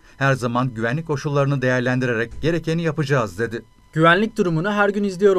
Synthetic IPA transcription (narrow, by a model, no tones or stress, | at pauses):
hæɾzamanɟyvænlʲickʰːo̞ʃulˠːaɾɯnɯd̪e̞jæɾlʲænd̪iɾe̞ɾɛcɟ̥e̞ɾe̞cʰenijapɯd͡ʒaːzd̪e̞d̪ɪ | ɟ̥yvænlʲic̚d̪uɾumunuɦæɾɟynizlʲijo̞ɾ